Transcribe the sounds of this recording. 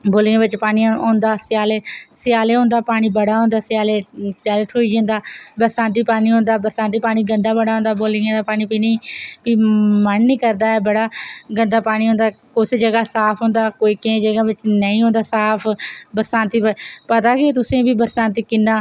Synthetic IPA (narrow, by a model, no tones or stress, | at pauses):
boːliːãːʋɪt͡ʃpaːɽ̃ijãːoːnd̪aːsɪjaːleːsɪjaːleːɦõːnd̪aːpaːɽ̃iːbəɽaːɦõːnd̪aːsɪjaːleːsɪjaːlət̪oːiːd͡ʒãːnd̪aːbəɾsãːnt̪̬iːpaːñiːɦõːnd̪aːbəɾsãːnt̪̬iːpaːɽ̃iːɡənd̪aːbəɽaːõːnd̪aːboːlijãːd̪aːpaːɽ̃iːpiːnəĩːpiːmənːĩːkəɾd̪aːɛːbəɽaːɡənd̪aːpaːɽ̃iːɦõːnd̪aːkʊsed͡ʒəɡaːsaːpʰɦõːnd̪aːkoːiːkɪẽːd͡ʒəɡãːʋɪt͡ʃnəĩːɦõːnd̪aːsaːpʰbəɾsãːnt̪iːppət̪aːkɪt̪ʊsẽːbiːbəɾsãːnt̪̬iːkɪnːaː